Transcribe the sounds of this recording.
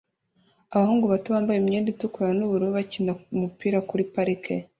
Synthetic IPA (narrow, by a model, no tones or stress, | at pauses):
aβahuːŋɡuβatuβaːmbajemɲeːnditukuɾanuβuɾuβacinaumupiːɾakuɾipaɾikʰe